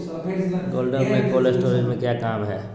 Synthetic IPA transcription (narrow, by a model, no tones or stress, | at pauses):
ɡoːlɖəɾmẽkoːlesʈoːɾid͡ʒmẽkjaːkaːmɦɛː